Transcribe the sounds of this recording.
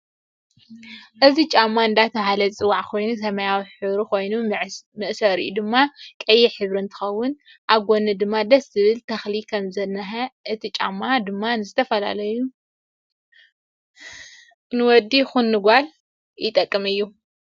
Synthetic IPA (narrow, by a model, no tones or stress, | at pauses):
ʔɨzit͡ʃʼamːaɨnd̪at̪ʰɐhalɐt͡sʼɨwaʕkʰo̞jnusɐmɐjawiħɨβɾiko̞jnumɨʔsɐɾḭʔud̪ɨmːakʼɐjːɛħɨβɾɨnt̪ʰɨ̥xɐwːʊn | ʔaβɡonɨd̪ɨmːad̪ɐszɨβɨlt̪ʰɐxlikʰɐmzɐnːɐħɐʔɨt̪ʰit͡ʃʼa̰mːad̪ɨmːanɨzɨt̪ʰɐfɐla̰lɐju | nɨwɔd̪ːixunːɨɡal | jɪt̪ʼɐkʼːɨmɨjːu